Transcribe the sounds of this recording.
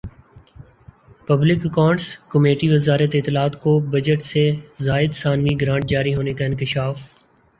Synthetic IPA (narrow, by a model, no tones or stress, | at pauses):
pəblɪkəkãːɳʈskəmeːʈiʋəzaːɾət̪ɪt̪ːɪlaːt̪kobəd͡ʒəʈsezaːɪd̪saːnʋiɡɾãːɳʈ̚d͡ʒaːɾiɦoːnekaɪ̃nkɪʃaːf